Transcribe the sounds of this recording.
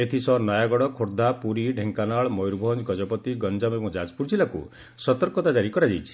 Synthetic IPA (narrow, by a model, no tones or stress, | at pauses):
et̪ʰisɔnɔjaɡɔɽɔkʰoɾd̪ʱapuɾiɖʱeŋkanaɭmɔjɾbʱɔnd͡ʒɡɔd͡ʒɔpɔt̪iɡɔnd͡ʒamebɔ̃d͡ʒad͡ʒpuɾd͡ʒilakṵ | sɔt̪ɔɾkɔt̪ad͡ʒaɾikɔɾad͡ʒajt͡ʃʰi̥